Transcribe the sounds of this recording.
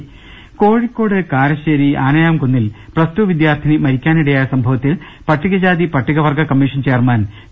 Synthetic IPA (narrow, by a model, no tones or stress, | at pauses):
koːɻikʲːo̞ːɽɨkaːɾɐɕeːɾiʔaːnɐjaːmkunːilprɐstuʋid̪jaːrt̪ʰinimɐɾikʲːaːniɽejaːjɐsɐmbʱɐʋɐt̪ːil | pɐʈːiɣɐd͡ʑaːd̪ipɐʈːiɣɐʋɐrɡʱɐkɐmːiːʂɐnt͡ɕe̞ːrmaːn